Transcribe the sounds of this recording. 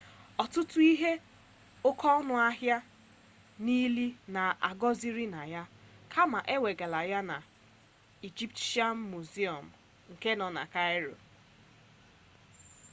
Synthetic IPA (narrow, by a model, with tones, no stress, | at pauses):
ɔ˨tʊ˦tʊ˦i˦ɦe˦ | o˦kʰɔ˦ɔ˦nʊ˦a˦ɦja˦ | ni˦li˦na˨a̰˨ɡɔ˦zi˦ɾi˦na˨ja˦kʰa˦ma˨ʔe˦we˨ɡa˨la˨ja˦na˨ | i˨d͡ʒi˦pta˦m̩˦mu˨zi˦ɔ˨m̩˨ | ŋ̩˨ke˦nɔ˨na̰˨ka˦ɪ˦ɾo̰˨